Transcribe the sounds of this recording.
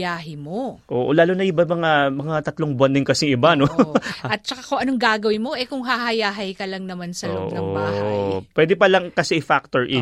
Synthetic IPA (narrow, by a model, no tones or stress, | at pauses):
jaːɦɪmoʔoːʔolaːlonɐʔɪbamɐŋamɐŋat̪ɐt̪loŋbʊwanːɪŋkɐsɪŋɪbanoʔɐt̪̚t͡ʃɐkakʊŋɐnoŋɡaːɡɐwɪnmo̞ʔɛkʊŋɦahɐjaːɦɐjkɐlɐŋnɐmansɐlo̰ʔnɐobaːhajpwɛd̪ɪpɐlɐŋkɐsɛʔɪfak̚t̪oɹʔɪ